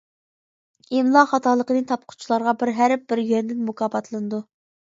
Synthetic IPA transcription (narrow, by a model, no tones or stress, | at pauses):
emlˠɑχɑt̪ɑlˠəqənɨŋt̪ʰɑp̚qʰʊ̥t͡ʃʰilˠɑɾʁɑbɪɾɦæɾp̚bɪɾɡønd̪ɪnmukʰɑːpɑt̪lˠɨnɨd̪u